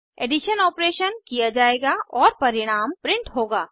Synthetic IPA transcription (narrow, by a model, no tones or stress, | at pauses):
eːɖɪʃənɔːpɾeːʃənkijad͡ʒaːeːɡaɔːɾpɐɾɪɽ̃aːmpɾɪ̃ɳʈɦoːɡaː